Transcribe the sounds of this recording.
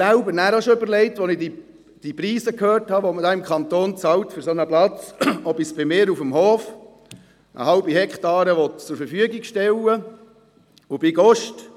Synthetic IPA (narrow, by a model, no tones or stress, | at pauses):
sælbənæːɾɑʃoʏbəɾlɛɪtʋɔnɪdi | d̥ipɾiːsəkhøːrthɑʋɔmədɑːɪmkʰɑnt̪oːnt͡sɑwtfɵɾsɔnəplɑt͡sɔbisb̥ɪmɪːɾufəmɦɔːf | ʔə̰hɑlbihɛkχt̪ɑːɾəʋɔt̪t͡sʊɾfəɾfyəɡiɡʃtɛlə | ʊbɪɡɔʃt